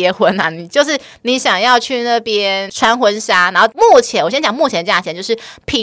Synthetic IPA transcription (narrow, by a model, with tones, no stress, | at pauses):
ɛ˧˥xwə˧˥na˨˩ni˨˩t͡ɕjo˥˧ʊʂ̬ɻ̩˥˩ | ni˧˥ɕjɑ˨˩ŋjɑ˥˧ʊt͡ɕʰy˥˧na˥˩pjɛ˥nʈ͡ʂʰwa˥nxwə˧˥nʂa˥na˧˥nxo˥˩mu˥˩t͡ɕʰjɛ˧˦nwɔ˨˩ɕjɛ˥nt͡ɕjɑ˨˩ŋmu˥˩t͡ɕʰɛ˧˥nə˧˩ja˥˩t͡ɕʰɛ˧˦nt͡ɕjo˥˧ʊʂɻ̩˥˩pʰi˧˥